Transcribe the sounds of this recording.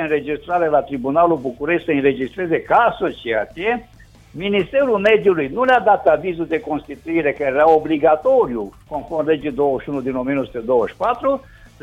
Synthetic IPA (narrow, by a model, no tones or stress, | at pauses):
ɨnɾe̞d͡ʒist̪ɾaɾelat̪ɾibunalubukuɾeʃtsəɨnre̞d͡ʒist̪ɾe̞ze̞kasət͡ʃeat̪ije | minist̪e̞ɾulme̞d̪julujnulead̪at̪avizud̪e̞ko̞nst̪it̪uiɾe̞kəeɾaobliɡat̪o̞ɾjuko̞nfornle̞d͡ʒid̪o̞wəʃiunud̪ino̞mienosut̪ed̪o̞wəʃʲpat̪ɾu